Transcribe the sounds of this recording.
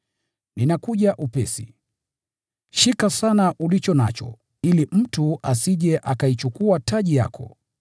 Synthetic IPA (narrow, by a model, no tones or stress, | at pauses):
ninakuʄaʔupɛsḭ | ʃikasanaʔulit͡ʃɔna̰t͡ʃɔ̰ | ilim̩tuʔasiʄɛʔakait͡ʃukuatʰaʄija̰kʰɔ̰